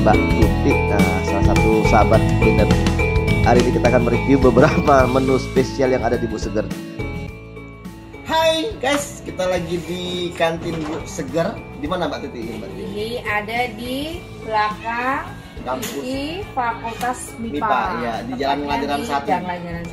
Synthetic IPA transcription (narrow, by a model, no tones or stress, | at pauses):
mba̰ʔt̪it̪ɪk̚ːa̰salasat̪usabat̪̚dəŋan | aɾidikat̪akanməɾəkiubəbəɾapamənuspesialjaŋadadibuʔsəɡər | hajɡajskit̪alaɡidikant̪ɪnbuʔsəɡər | dimanambaʔt̪it̪ɪknbat̪iadadi | bəlaka | kampufakult̪as | mimipajadid͡ʒalanmaŋadiɾansaɦat̪iaɲa